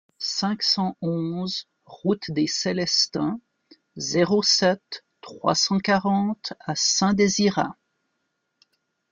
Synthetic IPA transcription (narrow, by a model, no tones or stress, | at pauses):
sɛ̃ksɑ̃ɔ̃z | ʁut̪d̪eselɛst̪ɛ̃ | zeʁosɛt̪ː | χwa̰sɑ̃kaʁɑ̃t̪asɛ̃d̪eziʁa̰